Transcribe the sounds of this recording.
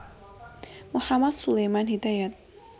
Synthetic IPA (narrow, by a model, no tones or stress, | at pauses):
mʊħamɐd̪sʊlɛjmanhid̪ajad̪